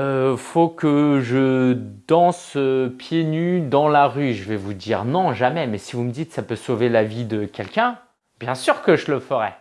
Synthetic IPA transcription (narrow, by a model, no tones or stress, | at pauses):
øfokəʒəd̪ɑ̃søpjenyd̪ɑ̃laʁyʒəvɛvud̪iʁnɔ̃ʒamɛmɛsivuməd̪it̪sapøsovelavid̪əkʲɛlkʲɛ̃ | bjɛ̃syʁkəʒələfəʁɛ